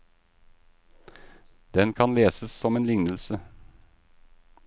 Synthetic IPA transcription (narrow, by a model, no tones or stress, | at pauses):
d̪̥ɛnkʰɑnleːsəssɔmeːnlɪŋnəl̩sə